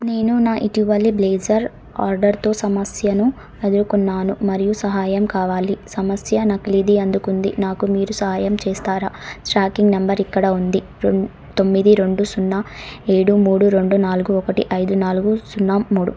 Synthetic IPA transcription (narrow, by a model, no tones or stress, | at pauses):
ne̞ːnunaːʔit̪iʋɐlːibleːd͡ʒɐɾ | aːɾɖɐɾt̪o̞ːsɐmɐsjɐnu | e̞d̪uɾukunːaːnumɐɾijusɐɦaːjɐmkaːʋaːlisɐmɐsjɐnɐklid̪iɐnd̪ukund̪ḭnaːkumiːɾusɐɦaːjɐmt͡ʃɛːst̪aːɾasʈɾaːkiŋɡnɐmbɐɾikːɐɽaund̪i | ɾ | t̪o̞mːid̪iɾe̞ɳɖusunːaeːɽumuːɽuɾe̞ɳɖunaːluɡuɔkɐʈḭʔɐjd̪unaːluɡusunːaːmmuːɽṵ